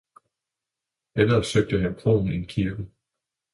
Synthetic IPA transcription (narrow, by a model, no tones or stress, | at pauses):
elɐsøɡ̥̚d̥əɦænpʰʁoːn̩enkʰiɐɡ̥ə